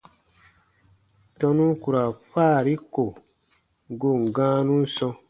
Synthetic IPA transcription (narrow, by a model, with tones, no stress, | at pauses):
tɔ̃˧nũ˦ku˨ɾa˨faː˦˨ɾi˦ko˨ | ɡo˨ŋ̩˨ɡãː˦nũ˦n̩˦sɔ̃˧